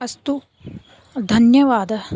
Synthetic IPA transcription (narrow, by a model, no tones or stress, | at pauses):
ɐst̪u | d̪ʱɐnjɐʋaːd̪ɐ